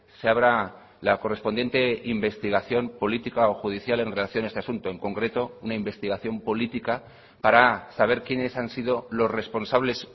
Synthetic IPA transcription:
seaβɾa | lako̞re̞spo̞nd̪je̞nt̪e̞imbe̞st̪iɣ̞aθjo̞mpo̞lit̪ikaoxuð̞iθjale̞nre̞laθjo̞naest̪easunt̪oe̞ŋko̞ŋkɾe̞t̪o̞unaimbe̞st̪iɣaθjo̞mpo̞lit̪ika | paɾasaβ̞e̞ɾkjene̞sansið̞o̞lo̞zre̞spo̞nsaβ̞le̞s

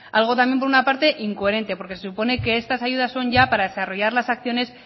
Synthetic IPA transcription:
alɣ̞o̞t̪amje̞mp̬o̞ɾunapaɾt̪e̞ʔiŋkoe̞ɾe̞nt̪e̞po̞ɾkesesupo̞ne̞ke̞est̪asaʝuð̞asːo̞ɲʝapaɾaðe̞saro̞ʝaɾlasak̚θjo̞ne̞s

